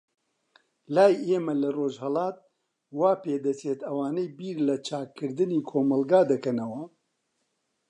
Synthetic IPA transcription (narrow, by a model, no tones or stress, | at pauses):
laːjeːmɐlɐroːʒhɐlɑːt̪̚ | waːpeːd̪ɐt͡seːt̪ɐwaːnejbiːɾlɐt͡ʃʰaːkʰːɨɾd̪ɨniːkʰoːmɐlɡaːd̪ɐkɐnɐwɐ